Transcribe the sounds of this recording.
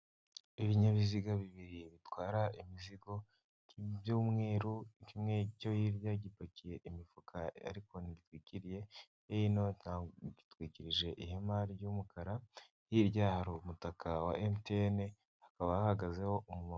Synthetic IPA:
iβiɲaβiziɡaβiβiɾiβitwaːɾaʔimiziɡo̞ | kiβjuːmŋe̞ːɾuikimŋe̞co̞jiɾjaɟipakije̞ʔimifukʰaa̰ɾiko̞niɡitwiːciɾije̞ | ejinoaːɟitwiːciɾiʒe̞ʔihemaɾiɟumukʰaɾa | jiɾɟahaɾumutakawa̰ʔemteene | hḁkaβajahaɡaze̞ho̞ʔumuma

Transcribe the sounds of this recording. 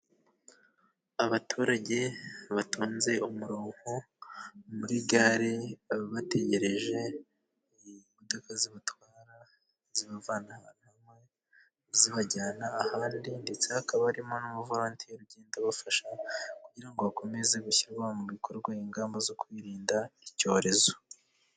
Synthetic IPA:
aβatʰuɾaɟe̞βatuːnze̞umuɾuːhu | muɾiɡaɾiβate̞ɟe̞ɾe̞ʒe̞ | mudokaziβatwaːɾa | ziβavanan̥hamŋe̞ | ziβaɟaːnaːhaːndinde̞t͡se̞hakaβaɾimo̞numuvuɾaːntʰijoɾuɟe̞ːndaβafaʃakuɟiɾaŋɡoβakʰo̞me̞ze̞ɡuçiɾɡwamuβikʰo̞ɾɡwaiŋɡaːmbazo̞kwiːɾiːndaico̞ːɾe̞zo̞

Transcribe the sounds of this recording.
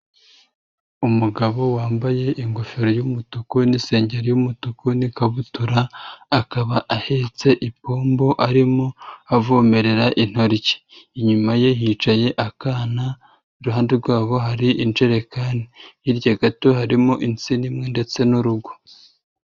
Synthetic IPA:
umuɡaβo̞waːmbaje̞ʔiŋɡofiɾojumutukonise̞ːɲɟeɾojumutukonikaβutuɾaːkaβaʔahe̞t͡se̞ʔipoːmbo̞ʔaɾimoavoːme̞ɾe̞ɾaʔin̥ho̞ɾice̥iɲumajeɦiːt͡ʃaje̞ʔakaːna | ɾuɦaːndeɾɡwaːβo̞ɦaɾiʔint͡ʃe̞ɾe̞kanijiɾɟaɡatohaɾimoʔint͡sinimŋe̞nde̞t͡se̞nuɾuɡo̥

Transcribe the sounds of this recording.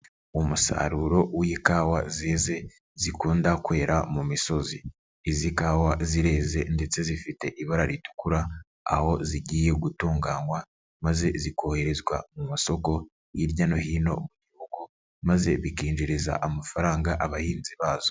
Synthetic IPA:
umusa̰ɾuɾo̞wiikaːwa̰zeze̞ | zikuːndakwe̞ːɾamumiso̞ziː | zikawaziɾe̞ːze̞nde̞t͡se̞zifite̞ʔiβaɾaɾitu̥kuɾa | a̰ho̞ziɟiːje̞ɡutuːŋɡaːŋɡwa | maze̞zikʰo̞he̞ɾe̞zɡwa̰mumaso̞ko̞ | jiɾɟanohiːno̞̰muɟihuɡ̥u | maze̞βikiːnd͡ʒiɾiza̰ʔamafaɾaːŋɡaʔaβahiːnziβaːzo̞

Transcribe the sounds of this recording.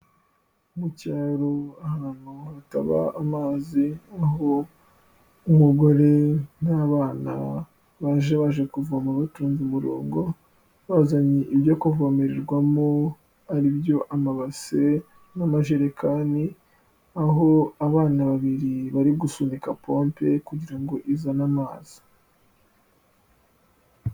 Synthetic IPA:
umucaːɾoahan̥uhata̰βa̰ːmaːziaɦo | umuɡo̞ɾe̞naβaːna̰ | βaʒeβaʒekuvuamuβatuːnzimuɾo̰ːŋɡo̞ | βazaɲiʔiβjakovomeɾeɾɡwamo | aɾibjo̞ʔamaβase | namaʒeɾekʰaːni | aɦo̞aβaːnaβaβiɾiβaɾiɡusunikapʰoːmpe̞kuɟiɾaŋɡo̞ʔizanamaːz̥i̥

